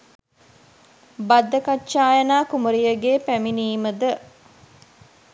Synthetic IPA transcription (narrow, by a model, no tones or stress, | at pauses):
bad̪ːɐkatːʃaːjɐnaːkumuɾijəɡeːpæminiːməd̪ə